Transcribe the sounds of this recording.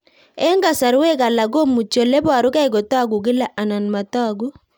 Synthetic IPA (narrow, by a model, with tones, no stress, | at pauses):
ɛ˦ŋɡa˨sa˨ɾwɛ˦ka˨la˨ɡo˦mu˨t͡ʃo˨le˦ba˨ɾʊ˦ka˦ɪ˨ɡɔ˨ta˦˨ɡu˨ɡ̬ɪ˦la˨ʔa˨na˨nma˨tɔ˦˨ɡu˦